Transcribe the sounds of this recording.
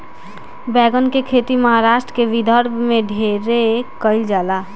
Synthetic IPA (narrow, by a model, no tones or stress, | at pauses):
bɛːɡənkekʰeːt̪iməɦaɾaːʃʈɾəkeʋid̪ʱəɾbmẽɖʱeɾekəɪld͡ʒaːlaː